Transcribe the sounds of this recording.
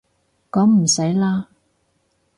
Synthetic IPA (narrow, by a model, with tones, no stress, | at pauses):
kɔː˨˥ŋm̩˨˩sɐ˨˥jlaː˥